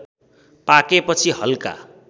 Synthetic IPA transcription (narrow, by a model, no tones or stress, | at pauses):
pakepʌt͡sʰiɦʌlka̰